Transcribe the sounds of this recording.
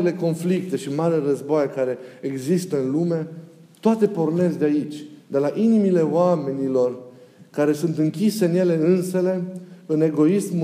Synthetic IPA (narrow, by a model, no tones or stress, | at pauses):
ile̞ko̞nflik̚t̪e̞ʃimaɾilerəzboajekaɾe̞ːɡzist̪əɨnlume̞ | t̪oat̪e̞po̞rne̞zd̪eait͡ʃʲd̪e̞laʔinimile̞oame̞nilo̞rkaɾe̞sunt̪ɨŋkʲise̞ɨnje̞le̞ɨnsele̞ɨne̞ɡo̞ism